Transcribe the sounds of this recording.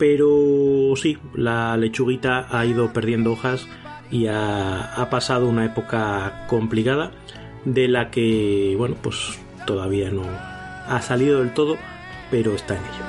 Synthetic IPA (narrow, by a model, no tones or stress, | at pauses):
pe̞ɾosilale̞t͡ʃuɣ̞it̪aaiðo̞peɾðje̞nd̪ooxas | iaapasað̞ounae̞po̞kako̞mplikað̞a | d̪e̞lake̞βwe̞nopwe̞s | t̪o̞ðaβ̞iano̞ | asaliðo̞ðe̞lt̪o̞ð̞o̞ | pe̞ɾo̞est̪ae̞neʎa